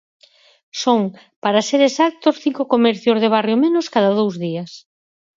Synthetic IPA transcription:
soŋ | paɾaseɾesak̚t̪osθiŋkokomɛɾθjozðeβ̞arjomẽnoskaðaðowzðias

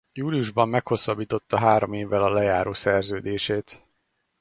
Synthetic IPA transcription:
juːlijuʒbɒmːɛkho̞sːɒbiːt̪o̞t̪ːɒɦaːɾo̞meːvːɛlɒlɛjaːɾoːsɛrzøːd̪eːʃeːt̪

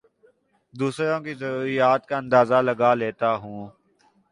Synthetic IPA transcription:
d̪uːsɾõːkizəɾuːɾijaːt̪̚kaə̃nd̪aːzaləɡaleːt̪aɦũː

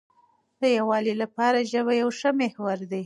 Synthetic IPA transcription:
d̪̥əjawɑlilapɑɾaʒəβajawʂəmehwaɾd̪i

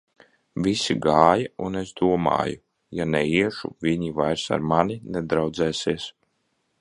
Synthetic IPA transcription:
vʲisiɡaːjaunesd̪uɔma̰ːju | janɛiɛʃṵviɲivajɾsa̰ɾmanʲinɛd̪ɾawd̪zɛːsiɛs

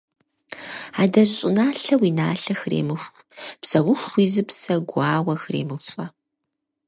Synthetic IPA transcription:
aːdɐɕʼɪnaːɬɐwiːnaːɬɐxɨrḛːmɨxʷ | psɐwʊxʷiːzɨpsɐɡʷɑːwɐxɨrḛːmɨfʼɐ

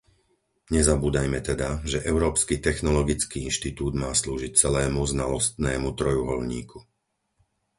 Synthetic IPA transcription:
ɲɛzabuːd̪ajmɛt̪ɛd̪aʒɛʔɛʊɾɔːpskit̪ɛxnɔlɔɡit͡skiːinʃt̪it̪uːd̪maːsluːʒic̚t͡sɛlɛːmuznalɔst̪nɛːmut̪ɾɔjuɦɔlɲḭːkʰu

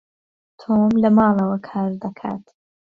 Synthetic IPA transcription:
t̪ʰoːmlɐmaːlˠɐwɐkʰaːɾd̪ɐkʰa̰ːt̪

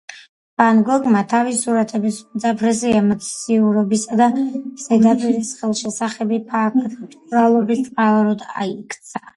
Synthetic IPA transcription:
b̥anɡɔɡmat̪ʰavisuɾat̪ʰɛbismt̪sʼapʰɾɛsɛamat̪siuɾɔbisad̪az̥ɛd̪apʼiɾisχɛlˠʃɛsaχɛbipʰakʰt̪ʰt̪ʼɾalˠɔbist̪ʼqʼalaɾɔd̪a̰ikʰt̪sʰḁ

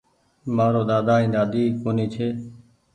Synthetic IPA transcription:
maːɾoːd̪aːd̪aːĩːd̪aːd̪iːkoːniːt͡ʃʰeː

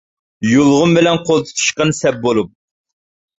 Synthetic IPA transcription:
jolˠʁʊmbɪlɛnqʰolˠt̪ʰɨ̥t̪ʰu̥ʃqɑnsɛp̚bolˠup̚

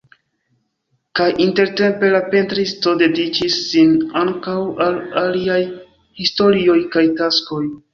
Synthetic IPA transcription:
kajʔinte̞ɾte̞mpe̞lape̞ntɾisto̞de̞dit͡ʃisːinaŋkawalaliaj | histo̞ɾio̞jkajtasko̞j

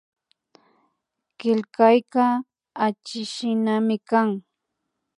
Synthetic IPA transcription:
kɪlkajka | at͡ʃɪʃɪnamɪkaŋ

